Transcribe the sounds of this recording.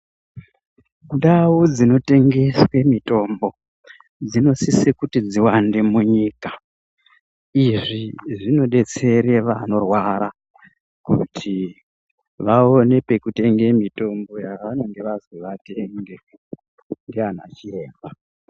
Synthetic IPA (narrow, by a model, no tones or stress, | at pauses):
ndawud͡zino̞te̞ŋɡe̞swe̞mito̞mbo̞ | d͡zino̞sisekutid͡ziwande̞muɲiːka | iʐiʐino̞ɗe̞t͡se̞ɾe̞ʋano̞rwaɾa | kṵtʰi | ʋao̞ne̞pe̞kute̞ŋɡe̞mito̞mbo̞jaʋano̞ŋɡe̞ʋazwiʋate̞ŋɡe | ndean̤a̰t͡ʃieːmba